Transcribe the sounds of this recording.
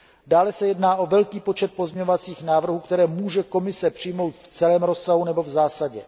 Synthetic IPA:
daːlɛsɛjɛdnaːʔo̞vɛlkiːpo̞t͡ʃɛt̪̚po̞zmɲɛɲovat͡siːxnaːvr̩ɦuːkt̪ɛɾɛːmuːʒɛko̞mɪsɛpr̥ɪjmo̞wt̪ft͡sɛlɛːmɾo̞sːaɦunɛbo̞vzaːsaɟɛ

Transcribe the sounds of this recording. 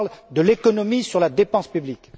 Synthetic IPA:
ld̪əlekɔnɔmisyʁlad̪epɑ̃spyblik

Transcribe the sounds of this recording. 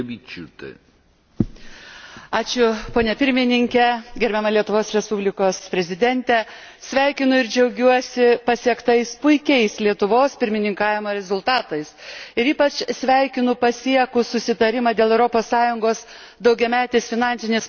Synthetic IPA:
bʲit͡ʃut̪ḛ | ɑːt͡ʃʲʊpoːnʲɛpʲɪɾʲmʲɪnʲɪŋʲkʲɛɡʲɛɾʲbʲɛmɐlʲiɛt̪ʊʋoːsɾʲɛspubʲlʲɪkoːspʲɾʲɛzʲɪd̪ʲɛnʲt̪ʲɛ | sʲʋʲæˑɪkʲɪnʊɪɾd͡ʒʲɛʊɡʲuɔsʲɪpɐsʲiɛkt̪ɐɪspʊɪkʲɛɪslʲiɛt̪ʊʋoːspʲɪɾʲmʲɪnʲɪŋkɑːʋʲɪmoːɾʲɛzʊlˠt̪ɑːt̪ɐɪsɪɾiːpɐt͡ʃsʲʋʲæˑɪkʲɪnʊpɐsʲiɛkʊsʊsʲɪt̪ɐɾʲɪmɑːd̪ʲeːlˠɛʊɾoːpoːsːɑːjʊŋɡoːs | d̪ɒʊɡʲɛmʲæːt̪ʲeːsfʲɪnɑːnʲsʲɪnʲeːs

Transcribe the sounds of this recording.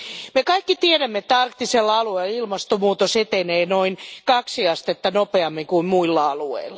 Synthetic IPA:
mekɑikːit̪ieɾæmːet̪ːæɑrkt̪ːiselːɑɑlueililmɑst̪omuːt̪oset̪eneːnoinkɑksiɑst̪et̪ːɑnopeɑmːiŋkuimmuilːɑɑluḛilːɑ

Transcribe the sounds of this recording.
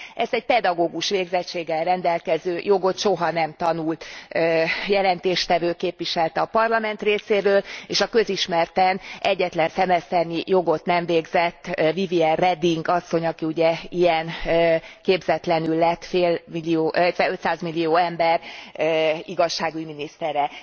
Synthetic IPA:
ɛst̪ɛɟ̚pɛd̪ɒɡoːɡuʃʋeːɡzɛt͡ʃːeːɡːɛlrɛnd̪ɛlkɛzøːjo̞ɡo̞t̪ʃo̞ɦɒnɛmt̪ɒnult̪øjɛlɛnt̪eːʃt̪ɛvøːkeːpʋiʃɛlt̪ɛɒpɒrlɒmɛnt̪reːseːɾøːleːʃɒkø̞ziʃmɛrt̪ɛnʔɛɟːɛt̪lɛnsɛmɛst̪ɛrnijo̞ɡo̞t̪nɛɱveːɡzɛt̪ːviviɛlrɛd̪iŋɡɒsːo̞ɲɒkiuɟɛijɛnːkeːbzɛt̪lɛnylːɛt̪ːfeːlmilːioːʔt̪ʋɛø̞t̪saːzmilːijoːɛmbɛr | iɡɒʃːaːɡujminist̪ɛɾɛ

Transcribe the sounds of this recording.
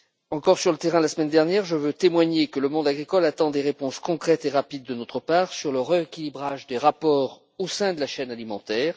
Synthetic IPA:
ɑ̃kɔʁsyʁlət̪eʁɛ̃d̪əlasəmɛnd̪ɛʁnjɛʁʒəvøt̪emwaɲekələmɔ̃d̪aɡʁikɔlat̪ɑ̃d̪eʁepɔ̃skɔ̃kχɛt̪eʁapid̪̚ːənot̪χəpaːʁsyʁləʁeekʲilibʁaʒd̪eʁapɔːʁ | osɛ̃d̪əlaʃɛnalimɑ̃t̪ɛːʁ

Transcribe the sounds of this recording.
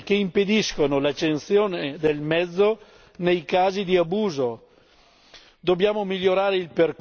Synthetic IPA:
keimped̪iskonolat͡ʃːensjoːned̪elmɛd̪zːo | nejkaːzid̪iabuːzo | d̪objaːmomiʎːoɾaːɾeilperk

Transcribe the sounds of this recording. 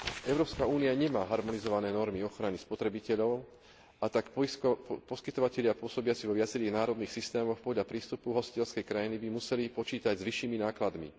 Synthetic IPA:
ɛʊɾɔːpskauːnijaɲɛmaːɦaɾmɔnizɔʋanɛːnɔɾmiɔxɾanispɔt̪ɾɛbicɛʎɔʊ | at̪ak | pɔskit̪ɔʋacɛʎɪapʊɔsɔbɪat͡siʋɔʋɪat͡sɛɾiːɣnaːɾɔd̪niːxsist̪ɛːmɔxpɔɟʎapɾiːst̪upuɦɔsi̥cɛʎskɛjkɾajinibimusɛlipɔt͡ʃiːt̪aɟzʋiʃːiːminaːklad̪mḭ

